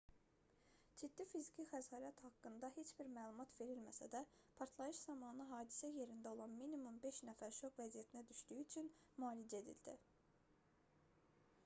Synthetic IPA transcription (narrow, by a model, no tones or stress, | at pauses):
d͡ʒid̪ːifizicʰixæzhɑːɾæt̪hɑkːɯnd̪ɑɦe̞t͡ʃb̥iɾmæːlˠumɑt̪ve̞ɾilmæsæ̰d̪æ | pʰɑɾt̪ʰlˠɑjɯʃz̥ɑmɑnɯɦɑːd̪i̥sæje̞ɾind̪æo̞lˠɑnminimumbe̞ʃnæfæɾʃokvæzijæt̪ʰinæd̪yʃd̪yjyt͡ʃʰyn | mɑːlid͡ʒe̞d̪ḭld̪i